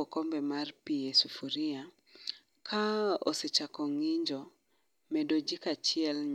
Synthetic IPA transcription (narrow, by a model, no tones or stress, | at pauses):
ɔkɔmbɛmarpiesufuɾia | kʰaɔ̰set͡ʃakɔŋiɲd͡ʒɔ | mɛdod͡ʒikat͡ʃiɛlɲ